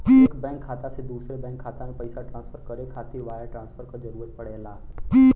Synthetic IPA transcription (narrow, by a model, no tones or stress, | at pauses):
kbɛ̃ːŋkʰːaːt̪ased̪uːsɾebɛ̃ːŋkʰːaːt̪anẽpɐɪsaʈɾãːnsfʰəɾkəɾekʰaːt̪ɪʋaːjaʈɾãːnsfʰəɾkazəɾuːɾət̪̚pəɽ̤elaː